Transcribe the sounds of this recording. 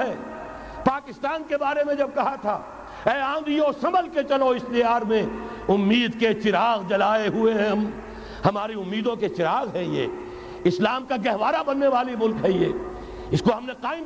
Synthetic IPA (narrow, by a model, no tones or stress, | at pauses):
ɦɛː | paːkɪst̪aːnkebaːɾemẽd͡ʒɐb̚kɐɦat̪ʰa̰ː | ɛːãːd̪ijosɐməlket͡ʃɐloɪst̪ɪjaːɾmẽ | ʊmːiːd̪ket͡ʃɪɾaːɣd͡ʒɐlaːeɦʊeɦɛ̃ɦɐm | hɐmaːɾiʊmːiːd̪õket͡ʃɪɾaːɣɦɛjḛː | ɪslaːmkaɡɛɦʋaːɾabɐnːeʋaːlimʊlkɦɛjeː | ɪskoɦɐmneqaːɪm